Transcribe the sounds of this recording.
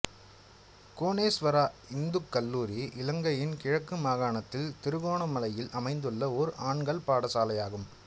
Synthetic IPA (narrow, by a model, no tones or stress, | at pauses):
koːneːsʋɐɾaːɪnd̪ɯkːɐlːuːɾiʔɪlɐŋɡɐjɪnkɪɻɐkːɯmaːɣaːɳɐt̪ːɪlt̪ɪɾɯɣoːɳɐmɐlɐjɪlʔɐmɐɪnd̪ɯɭːɐɔɾɯʔaːɳɡɐɭpaːɽɐsaːlɐjaːɣɯm